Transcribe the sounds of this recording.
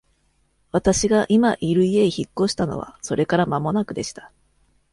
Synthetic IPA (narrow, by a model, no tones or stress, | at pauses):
βat̪aɕiɡaʔimaʔiɾɯ̟ieiçikːo̞ɕi̥t̪ano̞̰β̞a̰so̞ɾe̞kaɾamamo̞nakɯ̟d̪e̞ɕi̥t̪ḁ